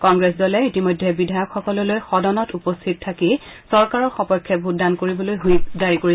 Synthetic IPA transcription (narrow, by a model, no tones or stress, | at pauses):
kɔŋɡɹesdɔlɛitimojdʱːɛbidʱajɔkʰxɔkɔlɔlojxɔdɔnɔtupɔstʰit̚tʰːaki | sɔɹkaɹɔɹxɔpɔjkʰːjɛbʱʊdankoɹibɔlojɦojdaɹikoɹi